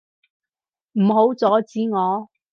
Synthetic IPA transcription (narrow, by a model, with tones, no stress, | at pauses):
m̩˨˩ɦo˨˥wt͡sɔː˨˥t͡siː˨˥ŋɔː˨˧